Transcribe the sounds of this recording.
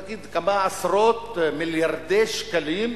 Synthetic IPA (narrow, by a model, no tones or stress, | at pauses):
ɡid̪kamaasɾot̪miljaɾd̪eʃkalim